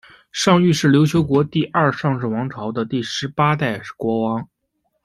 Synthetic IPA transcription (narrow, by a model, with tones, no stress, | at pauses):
ʂɑ˥˧ŋy˥˧ʂɻ̩˥˩ljo˧˥ʊt͡ɕʰjo˧˥ʊkwɔ˧˥t̪i˥˧ʔɐ˞˥˧ʂɑ˥˧ŋʈ͡ʂɻ̩˥˩wɑ˧˥ŋʈ͡ʂʰɑ˧˥ʊd̪ə˧t̪i˥˩ʂɻ̩˧˥pa˥t̪a˥˩ɪkwɔ˧˥wɑ˧˥ŋ